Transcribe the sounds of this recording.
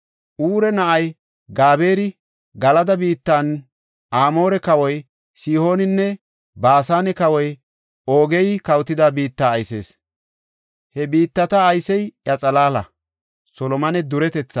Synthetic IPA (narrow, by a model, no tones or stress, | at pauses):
ʔuːɾɛnɐʔɐj | ɡaːbe̞ːɾɪ | ɡɐlɐd̪ɐbiːt̪ːan | aːmo̞ːɾɛkɐwɔj | siːho̞ːnɪnːɛ | baːsaːnɛkɐwɔj | oːɡɛjkɐwt̪ːɪd̪abiːt̪ːaːjse̞̰ːs | hɛbiːt̪ːɐt̪ɐːjsɛjjɐt͡sʼɐlaːlɐ̰ | sɔlɔmɐnɛd̪ʊɾɛt̪ɛt͡sːɐ